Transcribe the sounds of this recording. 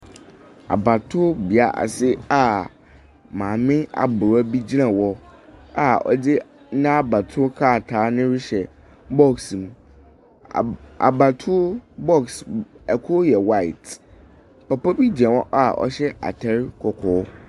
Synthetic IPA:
a̰˨ba˨tʰʊ˦bi˨a˨ʔa̰˨sɪ˦a˨ | mãː˨mɪ̃˦a̰˨bʊ˨ɾa˦bi˦d͡ʑi˦nã˨wɔ˦a˦ɔ̰˦dɪ˦ | nã˦a˦ba˨tʰʊ˦kʰaː˦˨tʰaː˨˦nɪ̃˦ɾɪ˦ɕɛ˨ | bɔ˦ksm̃˨ | a̰˨ba˨tʰʊ˦bɔ˦ksɛ˨kʰo˦jɛ˨wa˦˨ɪ˨t | pa˨pɔ˦bi˦d͡ʑi˨ã˨wɔ˦ʔa˦˨ɔ̰˦ɕɛ˦ʔa̰˨tʰɛ˦ɾkʰɔ˨kʰɔː˨˦

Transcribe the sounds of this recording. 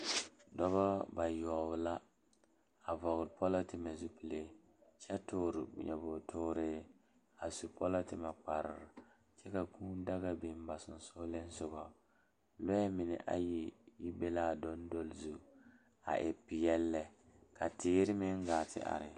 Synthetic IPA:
dɔ˦βɔ˦ba˨jɔː˨bʊ˨la˦ | a˨vɔ˨ɣɾpʰɔ˦la˦tɪ˨ma˨zu˦pi˨le˦ | t͡ʃɛ˦tʊː˦ɾɪ̰˨ɲɛ˨bʊ˨tʰʊː˦ɾɪː˦ | a˨su˨pʰɔ˦la˦tɪ˨ma˨k͡pa˨ɾɪ̰˨ɾɪ˨ | t͡ʃɛ˦ka˨kuː˦n˦da˦ɣa˨bɪ˨m˦ba˨sʊ˨n˨sʊ˦le˦n˦sʊ˦ɡɔ˨ | lɔ˦ɛ˦mɪ˨nɪ̰˨ʔa̰˦ji˦ji˦be˦laː˦˨do˦ndo˦lzu˨˦ | a̰˨ʔɪ˨pɪ˨jɛ˦lːɛ˦ | ka˨tɪː˦ɾɪ˦mɪ˦ŋɡaː˨tʰɪ̰˦ʔa̰˨ɾɪ˨

